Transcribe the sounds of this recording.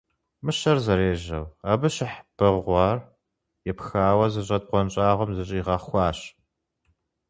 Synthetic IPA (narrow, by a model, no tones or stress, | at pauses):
mɨɕɐrzɐɾeːʒɐwaːbɨɕɪħb̥ɨʁʷɑːr | jɛpxaːwɐzɨɕʼɐd̚qʷɔnt͡ʃʼaːʁʷɔmzɨɕʼiʁɐχxʷɑːɕ